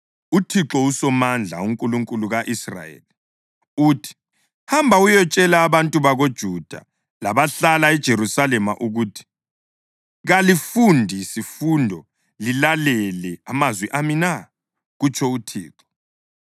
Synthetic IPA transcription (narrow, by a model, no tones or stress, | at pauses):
utʰiǁɔusɔmand͡ɮʱa̰uŋkʼuluŋkʼuluɣaʔisra̰jḛːli | utʰi̥ | hambʱaujɔt͡ʃʼɛlaːβantʼuβaɣod̥ʒ̥ʱud̥ʱa̰ | laβaɬalaɛd̥ʒ̥ʱerusalɛma̰ʔuɣutʰi̥ | ɣalifundʱisifundʱɔ | lilalɛlɛamazwiʔamina | ɣut͡ʃʰɔutʰḭːǁɔ̥